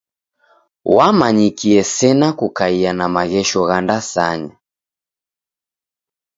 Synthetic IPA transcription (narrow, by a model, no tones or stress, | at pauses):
wamaɲikiɛsɛnakukaianamaɣɛʃɔɣandasa̰ɲa